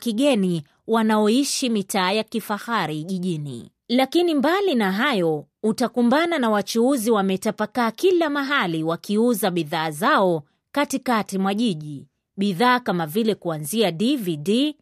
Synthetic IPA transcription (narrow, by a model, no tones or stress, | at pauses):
kiɠɛni | wanaɔiʃimitaːjakifahaɾiʄiʄinḭ | lakinimbalinaɦajɔutakumbananawat͡ʃuuziwamɛtapakaːkilamaɦaliwakiuzaɓiðaːzaɔ | katikatimwaʄiʄi | ɓiðaːkamavilɛkuanziadividi